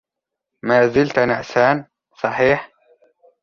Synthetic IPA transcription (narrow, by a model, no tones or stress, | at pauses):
maːzɪlt̪nɪʔsaːn | sˤɑħiːħ